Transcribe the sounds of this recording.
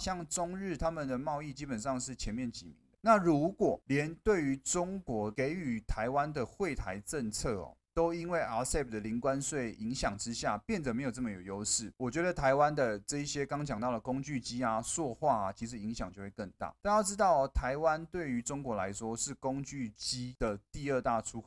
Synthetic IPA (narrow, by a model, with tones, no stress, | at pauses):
ɕjɑ˥˩ŋʈ͡ʂʊ˥ŋɻɻ̩˥˩t̪ʰa˥mə˨nd̪ə˩mɑ˥˧ʊi˥˩t͡ɕi˥pə˨˩nʂɑ˥˧ŋʂɻ̩˥˩t͡ɕʰjɛ˧˥nmjɛ˥˨nt͡ɕi˨˩mḭ˨˧˦d̪ə˧na˥˩ɻu˧˦˥kwɔ˨˩ljɛ˧˦nt̪we˥˩ɪy˧˥ʈ͡ʂʊ˥ŋkwɔ˧˥ke˧˥ɪy˨˩t̪ʰa˧˦ɪwa˦˥nd̪ə˨xwe˥˩ɪt̪ʰa˧˥ɪʈ͡ʂə˥˧ŋt͡sʰɤ˥˩ɔ̰˨˩t̪o˥ʊi˥nwe˥˩ɪa˧˥sɛ˥˩p̚d̪ə˨li˧˥ŋkwa˦nswe˥˩ɪʔi˧˥ŋɕjɑ˨˩ŋʈ͡ʂɻ̩˦ɕja˥˩pjɛ˥˩nd̪ə˨˩me˧˥jo˨˩ʊʈ͡ʂə˥˩mə˨˩jo˨˩jo˥ʊʂɻ̩˥˩wɔ˨˩t͡ɕɥɛ˧˥d̪ə˧t̪ʰa˧˥ɪwa˦˥nd̪ə˨ʈ͡ʂɤ˥˧i˥˩ɕjɛ˥kɑ˥ŋt͡ɕjŋt̪ɑ˥˩d̪ə˩kʊ˥ŋt͡ɕy˥˩t͡ɕi˥a˨swɔ˥˧xwa˥˩a˩t͡ɕʰi˧˥ʂɻ̩˧˦i˧˥ŋɕjɑ˨˩ŋt͡ɕjo˥˧ʊwe˥˩ɪkə˥˧ŋt̪a̰˥˩t̪a˥˧jɑ˥˩ʊʈ͡ʂɻ̩˥t̪ɑ˥˩ʊ˩t̪ʰa˧˦˥ɪwa˦nt̪we˥˩ɪy˧˥ʈ͡ʂʊ˥ŋkwɔ˧˥la˧˦ɪʂwɔ˥ʂɻ̩˥˩kʊ˥ŋt͡ɕy˥˩t͡ɕi˥d̪̥ə˨t̪i˥˧ə˥˧t̪a˥˩ʈ͡ʂʰu˥x